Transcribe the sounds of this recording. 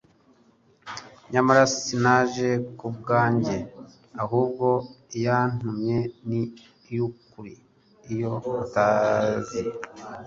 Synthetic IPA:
ɲamaɾasinaʒe̞kubɡaːɲɟe̞ | aɦuːb̚ɡo̞jan̥umɲe̞ni | jukuɾiː | jo̞utaːzi

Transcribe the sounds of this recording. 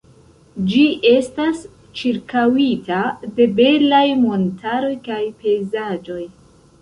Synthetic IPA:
d͡ʒie̞stas | t͡ʃiɾkawitade̞be̞lajmo̞ntʰaɾo̞jkajpe̞jzad͡ʒo̞j

